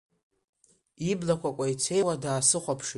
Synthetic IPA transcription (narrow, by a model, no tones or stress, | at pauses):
iblakʷʰakʷʼait͡sʰe̞jwadaːsɨχʷapʰʂ